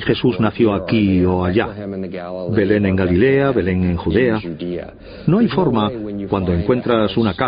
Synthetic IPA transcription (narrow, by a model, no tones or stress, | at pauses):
xe̞suznaθjoakioaʎa | be̞leŋeŋɡalileaβe̞le̞ŋẽ̞ŋxuðea | noajfo̞ɾmakwand̪o̞e̞ŋkwe̞nt̪ɾasunaka